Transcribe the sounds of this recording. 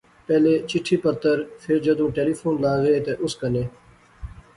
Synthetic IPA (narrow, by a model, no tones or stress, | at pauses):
pɛːleːt͡ʃɪʈʰːiːpət̪ːəɾfʰɪɾd͡ʒəd̪ũːʈeːliːfoːnlaːɣeːt̪eʔʊskəneː